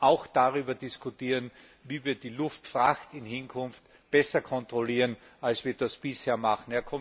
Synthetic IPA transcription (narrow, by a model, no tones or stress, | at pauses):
ʔaʊxd̥aʁyːbɐdɪskʰʊtiːʁən | viːviːɐdiːlʊftfʁaxtɪnhɪnkʰʊnft | b̥ɛsɐkʰɔntʁ̥oliːʁənalsv̥iːɐd̥asb̥ɪsheːɐmaxn̩ɛɐkʰɔm